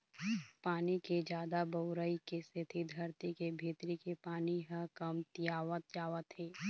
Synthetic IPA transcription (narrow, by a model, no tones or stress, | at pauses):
paːniked͡ʒjaːd̪abɐʊɾəikesɪt̪ʰid̪ʱɐɾt̪ikebʱeːt̪ɾikepaːniɦəkɐmt̪jaːʋət̪jaːʋət̪ɦeː